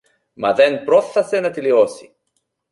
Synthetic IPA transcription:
mɐðɛnpɾɔθːɐsenɐt̪iliosi

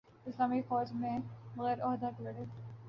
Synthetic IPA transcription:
ɪslaːmifɔːd͡ʒmẽbɐɣɛːɾɔːɦd̪aʈɪɽe

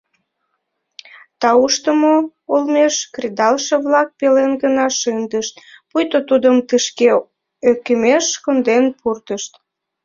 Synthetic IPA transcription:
t̪ɑuʃt̪əmo | olmeʃkrʲid̪ɑlʃəβlɑk̚pelenɡənɑʃɨnd̪əʃt̪̚pujt̪ot̪ud̪əmt̪əʃke | økəmeʃkond̪enpurt̪əʃt̪

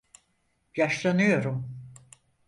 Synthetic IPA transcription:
jaʃlˠanɯjo̞ɾum

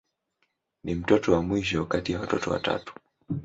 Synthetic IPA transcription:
nim̩tɔtɔwamwiʃɔkatijawatɔtɔwa̰ta̰tu̥

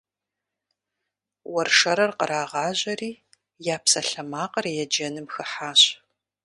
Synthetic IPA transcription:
wɐrʂɐɾɐrqəɾaːʁɑːʑɐriː | jaːpsɐɬɐmaːqɐrjɛd͡ʒɐnɨmxɨħaːɕ

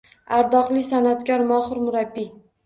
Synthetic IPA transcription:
aɾd̪ɒqlˠɪsanat̪kʲɒɾmɒhɨɾmʊɾabːi

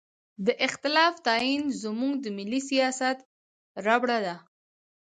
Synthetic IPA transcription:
d̪əʔɪxt̪ɪlɑft̪ɑinzəmuŋɡd̪əmɪlːisijɑsat̪ | ɾabɽad̪a

